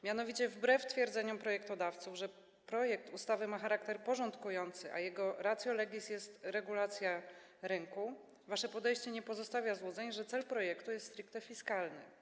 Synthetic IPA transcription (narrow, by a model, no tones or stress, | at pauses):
mʲjan̪ɔvʲit͡ɕɛvbɾɛft̪fʲjɛɾd̪zɛɲɔmpɾɔjɛkt̪ɔd̪aft̪suvʐɛ | pɾɔjɛk̚t̪ust̪avɘmaxaɾakt̪ɛɾpɔʐɔnt̪kujɔnt̪sɘʔa̰jɛɡɔɾat̪sʲjɔlɛɡʲisjɛst̪ɾɛɡulat̪sʲja | ɾɘŋku | vaʂɛpɔd̪ɛjɕt͡ɕɛɲɛpɔzɔst̪avʲjazwɔd̪zɛɲʐɛt̪sɛlpɾɔjɛkt̪ujɛst̪ːt̪ɾɘkt̪ɛfʲiskalnɘ̰